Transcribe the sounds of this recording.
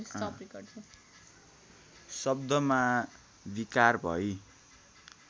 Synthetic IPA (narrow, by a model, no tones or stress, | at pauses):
sʌikʌt͡sʰʌ | sʌb̚d̪ʌma | bikarbʱʌ̰j